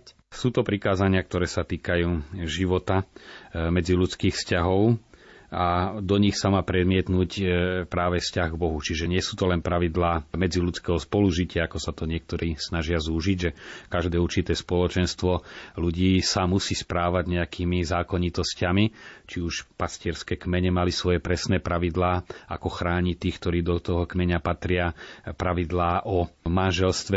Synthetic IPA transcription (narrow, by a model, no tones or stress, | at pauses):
suːt̪ɔpɾikaːzaɲɪak̚t̪ɔɾɛːsat̪iːkajuːʒiʋɔt̪a | mɛd͡ziʎut͡skiːxfscaɦɔʊ | ad̪ɔɲixsamaːpɾɛd̪mɪɛt̪nuːcpɾaːʋɛfscaɣɡbɔɦut͡ʃiʒɛɲɪɛsuːt̪ɔlɛnpɾaʋid̪laːmɛd͡ziʎut͡skɛːɦɔspɔluʒicɪaakɔsat̪ɔɲɪɛk̚t̪ɔɾʔiːsnaʒɪazuːʒiɟʒɛkaʒd̪ɛːuɾt͡ʃit̪ɛːspɔlɔt͡ʃɛnst̪ʋɔluɟiːsamusiːspɾaːʋaɟɲɛakʰiːmizaːkɔɲit̪ɔscamit͡ʃiuʃpascɪɛɾskɛːkmɛɲɛmalisʋɔjɛpɾɛsnɛːpɾaʋid̪laːa̰kɔxɾaːɲit̪iːxkt̪ɔɾiːd̪ɔt̪ɔɦɔkmɛɲapat̪ɾɪapɾaʋid̪laːʔɔmanʒɛlst̪ʋɛ